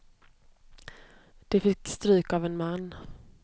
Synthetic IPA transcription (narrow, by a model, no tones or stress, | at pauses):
d̪̥ɛfɪkːst̪ɾʉ̟ːkavɛnmanː